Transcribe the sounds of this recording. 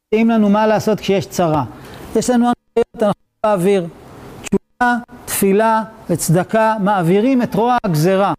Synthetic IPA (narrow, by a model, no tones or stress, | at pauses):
imlanumalaːso̞t̪kʃejeʃt͡saʁajeʃlanuanajo̞t̪anaχu | aːviʁt͡ʃuvat̪filavet͡sd̪akamaːviʁime̞tʁoaɡzeʁa